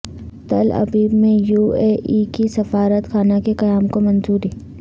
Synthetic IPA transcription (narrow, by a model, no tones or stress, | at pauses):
t̪ɐ̰lɐ̰biːbmẽjuːeːʔikisɐfaːɾət̪kʰaːnakekɐjaːmkomɐnzuːɾiː